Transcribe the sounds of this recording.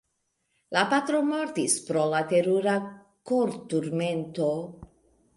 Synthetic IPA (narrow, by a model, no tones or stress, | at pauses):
lapat̪ɾomɔɾt̪ispɾolat̪eɾuɾa | koɾt̪uɾment̪o